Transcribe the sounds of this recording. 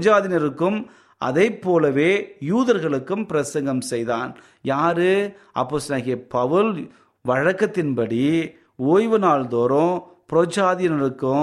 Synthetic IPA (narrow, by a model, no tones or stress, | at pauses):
d͡ʒaːðɪnɪɾɯkːɯm | ʔɐ̰ðɐɪpːoːlɐʋeːjuːðɐɾɣɐɭɯkːɯmpɪɾɐsɐŋɡɐmsɛjðaːn | jaːɾɯ | ɐ̰pːoːsnaːɣɪɐpɐʋɯl | ʋɐɻɐkːɐt̪ːɪnpɐɽi | oːjʋɐnaːld̪oːɾõː | pɪɾoːd͡ʒaːðɪjɐnɪɾɯkːɯ